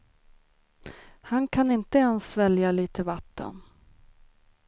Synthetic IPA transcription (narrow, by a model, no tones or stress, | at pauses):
hankʰanɪnt̪əɛnsvɛljaliːt̪ʰəvat̪ːə̰n